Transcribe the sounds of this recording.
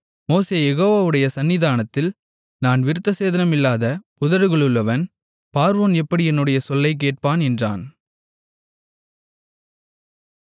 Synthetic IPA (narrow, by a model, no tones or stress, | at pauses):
moːseːjɛɣoːʋaːʋɯɽɐjɐsɐnːɪðaːnɐt̪ːɪl | naːnʋɪɾɯt̪ːɐseːðɐnɐmɪlːaːðɐpʊðɐɾɯɣɐɭɯɭːɐʋɐn | paːɾʋoːnɛpːɐɽɪɛnːɯɽɐjɐsɔlːɐɪk̬ːeːʈ̚paːnɛndra̰ːn